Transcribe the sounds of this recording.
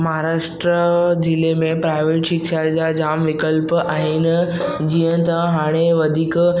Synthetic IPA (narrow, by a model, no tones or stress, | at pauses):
məɦaɾaːʂʈɾəd͡ʑɪlemẽpɾaːɪʋeːʈʃɪkʃad͡ʑad͡ʑaːmʋɪkəlpaːɦinɪ̆ | d͡ʑiːjə̃t̪ãɦaːɽ̃eʋɐd̪ʱiːk